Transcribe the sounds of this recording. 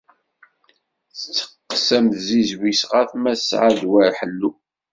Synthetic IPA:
θət͡sːə̥qːsæmθzizwisʁæθmæsʕad̪wæɾħəlːu

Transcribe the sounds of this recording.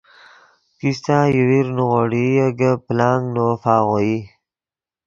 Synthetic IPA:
kist̪ãjiwiɾnuɣoɽijəɡəplaːŋɡnofaːɣoi

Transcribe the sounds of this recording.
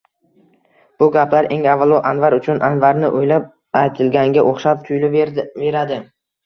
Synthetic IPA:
b̥ʊɡʲapʰlaɾʔe̞ŋavalˠɒʔanvaɾʊt͡ʃʰʊnʔanvaɾnɪʔojlap̚ | ajt̪ʰɪlɡʲaŋɡʲaʔoχʃap̚t̪ʰʊjlʊve̞ɾad̪ɪ

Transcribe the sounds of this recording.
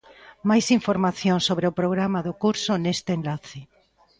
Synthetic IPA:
majsiɱfoɾmaθjoŋsːoβɾeʊpɾoɣ̞ɾamaðʊkuɾsʊnest̪enlaθɪ

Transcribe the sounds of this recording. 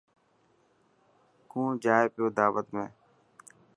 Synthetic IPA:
kʰũːd͡ʒaːeːpjoːd̪aːʋət̪mẽː

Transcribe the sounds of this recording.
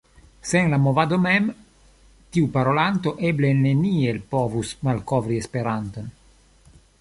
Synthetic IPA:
senlamovad̪omɛm | t̪iupaɾolant̪oʔeblenenielpovusmalkovɾiespeɾant̪on

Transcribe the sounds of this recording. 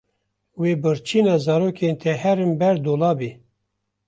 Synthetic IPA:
weːbɨɾt͡ʃʰiːnɑːzɑːɾoːkʰent̪ʰɛhɛɾɨmbɛɾd̪oːlɑːbeː

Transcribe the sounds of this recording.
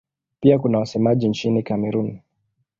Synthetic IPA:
piakunawasɛmaʄint͡ʃinikamɛɾuni

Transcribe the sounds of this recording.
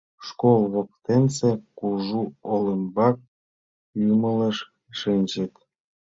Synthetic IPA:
ʂkolˠβok̚t̪ensekuʐuoləmbɑk̚ | jumələʃ | ʃinʲd͡ʑə̆t̪

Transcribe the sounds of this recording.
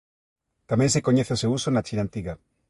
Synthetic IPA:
t̪amẽŋs̬ekoɲeθɪosewusonat͡ʃinãnt̪iɣa

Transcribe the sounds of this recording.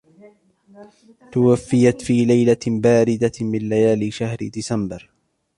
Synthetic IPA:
t̪awafːɪjat̪fiːlajlabaːɾɪd̪amɪnlajaːlɪʃahɾɪ̰d̪ɪsambɪɾ

